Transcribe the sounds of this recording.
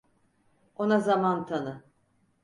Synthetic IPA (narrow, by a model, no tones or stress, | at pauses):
o̞nazamant̪ʰanɯ